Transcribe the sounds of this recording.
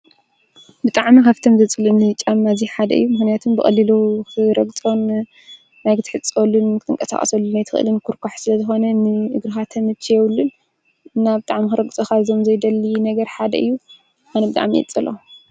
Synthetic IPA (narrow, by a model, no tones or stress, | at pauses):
bɨt̪ʼaʕmikʰaft̪ʰomzɐt͡sʼɨlɨnːɨt͡ʃʼamːaziħad̪ɐ̰ʔɨ̰jːumɨxnijat̪ʰumbɨxʼɐ̰lːiloxɨɾɐɡt͡sʼo̞nː | ajɡɨt̪ʰɨħɨt͡sʼolːunkʰɨt̪ʰʼɨŋkʼɐsa̰χʼɐ̰sɐlːunajt̪ʰɨxʔɨ̰lɨnkʰuɾkʰaħsɨlɐzɨxo̞nɐnɨʔɨɡɾɨxat̪ʰɐmɨt͡ʃʰːjɛwlːɨn | ɨnːabɨt̪ʼaʕmixɨɾɐɡt͡sʼoxazo̞mzɐjd̪ɐlːinɐɡɐɾħad̪ɐ̰ʔɨ̰jːu | anɐbɨt̪ʼa̰ʕmiɛ̰t͡sʼɨlo